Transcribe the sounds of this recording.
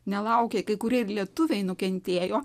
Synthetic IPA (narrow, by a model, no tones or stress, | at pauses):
nʲɛlˠɐʊkʲeːkɐɪkʊɾʲeːɪɾlʲiɛt̪ʊʋʲɛɪnʊkʲɛnʲt̪ʲeːjoː